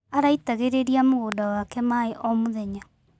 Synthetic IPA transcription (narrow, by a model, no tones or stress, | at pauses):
aɾaitaɣeɾeɾiamoɣoːdawakɛmaeʔɔmoðɛɲa